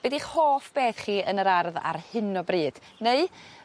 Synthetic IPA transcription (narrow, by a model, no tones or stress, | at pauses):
bɛdiχhoːfb̥eːθχiːənəɾarða̰rhɪnɔbriːd̥ | neɨ